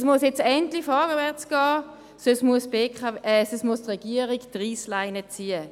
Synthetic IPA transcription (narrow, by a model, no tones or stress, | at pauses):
smusjɛt͡sɛntlifɔːɡəvɛɐt͡sɡ̥ɑː | ssmuəsbeːkʰasəsmustʁɛɡiəʁiɡtʁiːslaɪnət͡siːə